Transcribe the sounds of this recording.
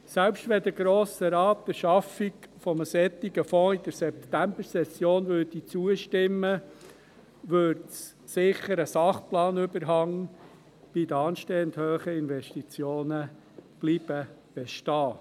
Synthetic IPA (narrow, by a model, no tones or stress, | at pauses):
sɛlpʃtʋɛd̪əɡɾoːsəɾɑːtd̥əʃɑfiɡfɔməsɛt̪ːiɡ̥əfɔ̃ːid̥̪əɾsɛpt̪æmb̥əɾsɛsjoːnʋøːdit͡suəʃtɪmːə | ʋøɾts | sɪχəɾəsɑχplɑːnʏbəɾɦɑŋ | b̥id̪əɑːnʃtɛːnd̪høːχəɪnvɛʃtit͡sjoːnə | b̥liːb̥əb̥ɛʃtɑː